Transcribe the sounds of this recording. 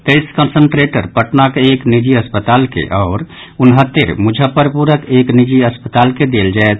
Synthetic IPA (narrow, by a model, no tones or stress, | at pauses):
t̪eɪskənsəɳʈɾeʈə̰ɾpəʈnakeeknid͡ʒiəspət̪aːlkḛʔɔːɾ | unɦət̪ːeɾmud͡ʒʱəpəɾpuɾəkeknid͡ʒiəspət̪aːlked̪eld͡ʒaet̪ʰ